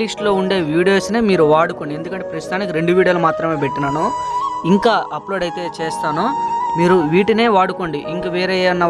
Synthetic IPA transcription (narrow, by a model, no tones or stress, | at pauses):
lisʈlo̞ːuɳɖe̞ːʋiːɽijo̞ːsneːmiːɾuʋaːɽukoːɳɖiend̪ukɐɳʈepɾɐst̪ut̪aːnik̬iɾe̞ɳɖuʋiːɽijoːlumaːt̪ɾɐme̞ːpe̞ʈːinaːnuiŋkaːʔɐplo̞ːɖɐjt̪e̞ːt͡ʃeːst̪aːnumiːɾuʋiːʈine̞ːʋaːɽukoɳɖiʔiŋkaʋeːɾɛːɐnːɐ